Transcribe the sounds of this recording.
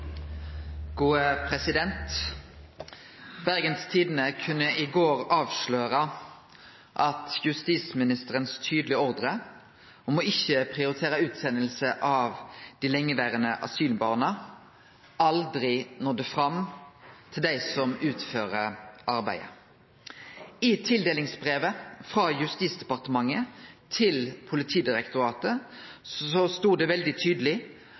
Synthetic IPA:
ɡ̥uːəpʰʁɛsɪd̪ɛnt̪ | bæʁɡənst̪ʰiːd̪ən̩əkʰʉnːəʔɪɡoːʁɑːʋʃløːʁə | ʔɑt̪jʉst̪iːsmɪnɪst̪əʁənst̪ʰyːd̪lɪəɔʁd̪ʁə | omoːɪçːəpʰʁɪʊɾɪt̪ʰeːʁəʉːt̪sɛnːəlsəʔɑʋd̪̥iːlɛŋːəʋæːʁənəʔɑ̰syːlbɑːʁnə | ʔɑld̪ɾɪnoːd̪ɛfʁɑm | t̪ʰɪld̪æɪsɔmʉːt̪føːʁəʔɑʁbæ̰ɪə̰ | ɪt̪ʰɪld̪eːlɪŋsbʁeːʋəfʁɑjʉst̪iːt̪sd̪ɛpɑʁt̪əmɑŋːət̪ʰɪlpʰʊlɪt̪ʰiːd̪ɪʁɛkt̪ʊɾɑːt̪əsɔst̪uːd̪ɛʋɛld̪ɪt̪ʰyːd̪əlɪ

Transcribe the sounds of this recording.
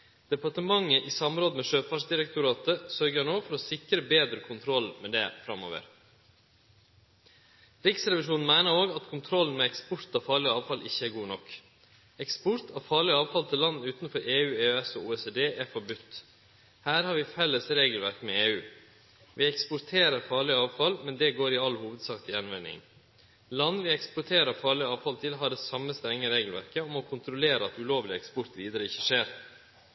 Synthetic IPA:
d̪̥ɛpɑʈəmɑŋːəʔɪːsɑmɾoːd̪əmɛʃøːfɑʂd̪ɪɾɛkt̪ʊɾɑːt̪əsœɾɡənoːfɔɾoːsɪkɾəbeːd̪ɾəkʰʊnt̪ʰɾɔlmɛd̪ɛ̰fɾɑmo̰ːʋə̰ɾ | ɾɪksɾɛʋɪʂuːnn̩mæɪnəɾoːɡɑt̪kʰʊnt̪ʰɾɔln̩mɛɛkspʊɾt̪ɑːfɑːɭɪəɑːʋfɑlʔɪçːəæːɾɡuːnɔkː | ɛkspʊɾt̪ʰɑːfɑːɭɪəɑːʋfɑlt̪ʰɪlːɑnːʉːt̪nfɔɾeːʉːeːøɛsɔ̰ːuːɛseːd̪eːʔæɾfɔɾbʉt̪ː | hæːɾhɑɾʋɪfɛlːəsɾeːɡəl̩ʋæɾkmɛeːʉː | ʋɪɛkspʊɾt̪ʰeːɾəɾfɑːɭɪɑːʋfɑlmɛnd̪ɛɡoːɾɪɑlːhuːʋəd̪sɑːkt̪ɪjɛnʋænɪ̰ŋ | lɑnːʋɪɛkspʊʈʰeːɾəfɑːɭɪəɑːʋfɑlt̪ʰɪlɦɑːɖɛsɑmːəst̪ɾɛŋːəɾeːɡəl̩ʋæ̰ɾkəɔmɔkʰʊnt̪ɾʊleːɾəɑt̪ʉloːʋlɪɛkspɔɾt̪ʋiːd̪əɾəɪçːəʂeːɾ

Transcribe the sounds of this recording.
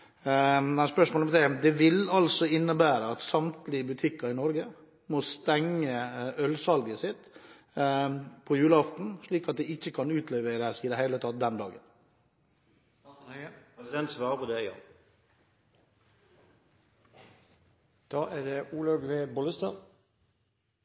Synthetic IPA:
mɛnspœʂmoːlmt̪ɛmd̪ɛʋɪlɑlsɔɪnːəbæːɾəɑt̪sɑmt̪lɪəbʉt̪ʰɪkːɑɪnɔɾɡə | most̪ɛŋːəœlsɑlɡəsɪt̪ | pʰɔjʉːləɑft̪n̩ʂɭiːkɑt̪̚d̪ɛɪçːəkʰɑnʉːt̪ʰlɛʋeɾəæsiːd̪ɛhæɪlət̪ʰɑt̪̚d̪ɛnd̪ɑːɡən | psd̪ɛnt̪sʋɑːɾəpʰɔd̪ɛjɑ̰ | d̪̥ɑːæɖɛʔuːlɑɡʋeːbɔləst̪ɑ

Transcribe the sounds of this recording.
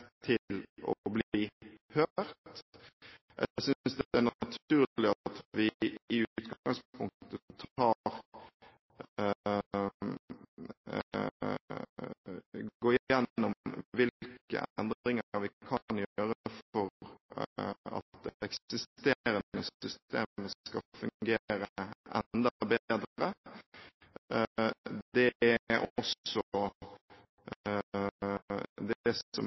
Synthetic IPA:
t̪ʰɪllɔ̰bliːhøːɾt̪ | ʔɛ̰sʏnnsd̪ɛæʁnɑt̪ʰʉːlɪɑt̪ʋɪɪʉːt̪ɡɡɑŋspʰʊŋt̪ət̪ʰɑːɾ | ɡoːɪjɛnːɔmʋɪlkə̰ʔɛnd̪ɾɪŋəɾʋɪkʰɑnjøːɾəfɔɾ | ɑ̰t̪ɛkɪst̪eɾənəsʏst̪ḛːməskɑfʉŋɡeɾəʔɛ̰nd̪ɑbed̪ɾə | d̪ɛʔɔsɔ | d̪ɔm

